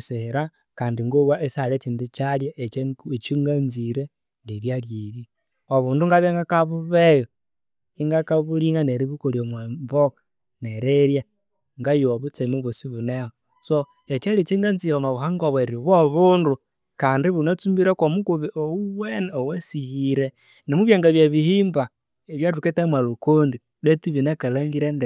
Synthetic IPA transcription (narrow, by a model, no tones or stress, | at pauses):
seɾa | kaːndiŋɡoβwaʔesalet͡ʃindit͡ʃaljaʔet͡ʃet͡ʃiŋɡanziɾe | liβjaljiβi | oβuːnduŋɡaβeŋɡakaβuβejo | iŋɡakaβuliŋaneɾiβukoljomwembok | neɾeɾja | ŋɡajooβut͡semuβusiβuneho | so | et͡ʃalit͡ʃiŋɡant͡siβomaβuɦaŋɡoβweɾiβoβuːndu | kaːndiβunat͡sumbiɾakomukuβiʔouweneowesihiɾe | nemuβjaŋɡaβjaβihiːmba | eβjatuketamwalukondi | βetiβinakalaŋɡiɾende